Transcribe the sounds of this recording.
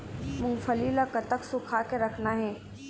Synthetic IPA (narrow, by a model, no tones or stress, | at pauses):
mʊ̃ŋfəlilakət̪əksʊkʰakeɾɐkʰnaɦɛː